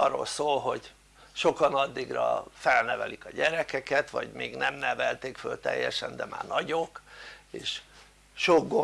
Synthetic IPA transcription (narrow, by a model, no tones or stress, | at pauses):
ɒrːo̰lsoːlɦo̞ɟ | ʃokɒnɒd̪ːiɡrɒ̰fɛlnɛvɛlikɒɟɛɾɛkɛkɛt̪ʋɒ̰ɟmeːɡnɛmnɛvɛlt̪eːkfølt̪ɛ̰jːɛʃɛnd̪ɛma̰ːrnɒɟokeːʃ | ʃoɡɡo